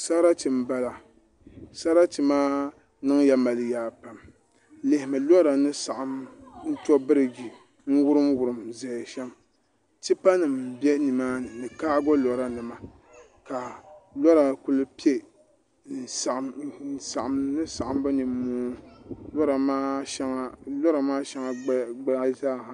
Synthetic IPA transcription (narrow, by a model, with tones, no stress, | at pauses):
sa˦ɾa˦ti˨m˦ba˦la˨ | sa˦ɾa˦ti˨maː˦ | nɨ˦ŋja˦ma˨lɨ˨jaː˨˦pa˨m | le˨hɪ˨mɨ˨lɔ˦ɾa˨nɨ˦sa˨ʔa˦mn̩˦tɔ˦bɨ˦ɾɨ˨ɡi˨ | ŋ̩˦wʊ˦ɾɨ˦mwʊ˨ɾɨ˨mzɛ˨ʃɛ˦m | ti˦pa˦nɨ˨mbɛ˦ni˨maː˦nɨ˨nɨ˨kaː˦ɡɔ˦lɔ˨ɾa˦nɨ˨ma˨ | ka˨lɔ˦ɾa˨ku˦lɨ˦pi˦e˦˨ | sʔn˨sa˨ʔa˨mnɨ˦sa˨ʔa˦m˦bɨ˦ni˨m˦mːoː˦lɔ˦ɾa˨ma˦ɛ˦ŋa˦lɔ˦ɾa˨maː˦ʃɛ˦ŋa˨ɡ͡ba˦zaː˦˨ha˨